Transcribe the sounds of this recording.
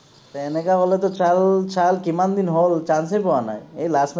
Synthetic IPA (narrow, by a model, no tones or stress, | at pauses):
t̪eenekabɔlet̪̬ɔt͡ʃallt͡ʃalkimand̪inɦolt͡ʃansejpɔwana̰jejlasm